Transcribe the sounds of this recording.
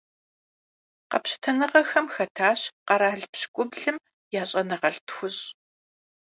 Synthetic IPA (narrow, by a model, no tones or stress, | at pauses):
qɐ̰pɕɪ̥tʰɐnɨʁɐxɐmxɐtʰaːɕqɐɾaːɮpɕkʷʼʊbɮɨm | jaːɕʼɐnɐʁɐɬtxʷʊɕʼ